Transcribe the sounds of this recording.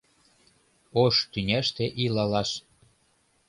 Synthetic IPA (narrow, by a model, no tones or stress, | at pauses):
oʃt̪ynʲæʃt̪eʔilɑlɑʃ